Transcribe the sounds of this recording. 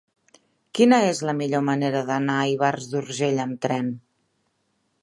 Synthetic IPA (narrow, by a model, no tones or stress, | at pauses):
kinəezləmiʎoməneɾəðənaəiβ̞arzðuɾʒeʎəmt̪ɾɛn